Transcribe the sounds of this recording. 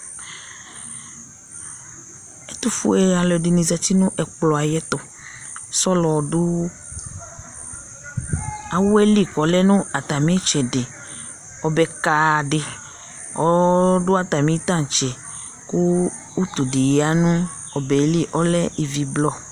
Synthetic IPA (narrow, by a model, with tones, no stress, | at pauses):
ɛ˦t̪u˦fṵ˦e˨a˨lɔ˨di˨nĩ˨za˨t̪i˦nũ˦ʔɛ˨k͡plɔ˨a˨jɛ˦t̪ɔ˨ | sɔ˦lɔ˨ɖu˦ | a˨wo˦ɛ˦li˦˨kɔ˨˦lɛ˦nũ˦a˨t̪a˨mĩ˦t͡ʃɛ˨de˨ | ɔ˨bɛ˨ka˨ɖɪ˨ | ɔ̰˨˦dʊ˦a˨t̪a˨mĩ˨˦t̪ã˦˨n˨t͡ʃɛ˨ | ku˦ | u˦t̪u˨di˨je˨a˦nũ˦ | ɔ˨bɛ˨˦li˦ʔɔ˦lɛ˦ʔi˨vi˨blɔ˦